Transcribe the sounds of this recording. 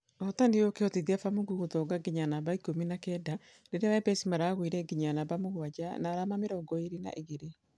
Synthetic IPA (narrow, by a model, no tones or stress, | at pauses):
ɔtandeokeɔteðiafamoɡuɣotɔːɡaɡiɲanaβaikominakɛda | denewɛbɛsimaɾaːɣwiɾɛɡiɲanabamoɣwad͡ʒanaːɾamameɾɔːŋɡɔeɾena̰ʔeɣeɾe